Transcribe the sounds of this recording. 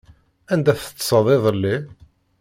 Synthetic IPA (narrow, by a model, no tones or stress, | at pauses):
ænd̪æθət͡s̪ːsˤɑðˤeðˤəlːi